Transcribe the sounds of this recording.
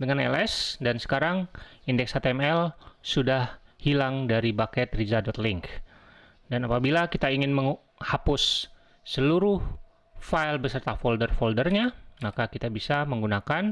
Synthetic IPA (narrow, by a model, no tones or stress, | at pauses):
dəŋanɛlɛsdansə̥kaɾaŋindɛksat̪ɛmɛlsudahhilaŋdaɾibakɛt̪rizadɔt̪lɪŋk | danapabilakit̪aiŋɪnməŋ | hapʊsː | əluɾʊh | failbəsərt̪afoldərfoldərɲamakakit̪abisaməŋɡunakan